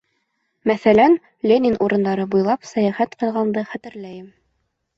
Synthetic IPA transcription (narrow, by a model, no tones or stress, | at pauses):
mæθælæn | lʲenʲinʔuɾɤ̆nd̪ɑɾɤbujlˠɑpsæjæχæt̪qɤ̆lˠʁɑnd̪ɤχæt̪ɘ̆ɾlæjɘm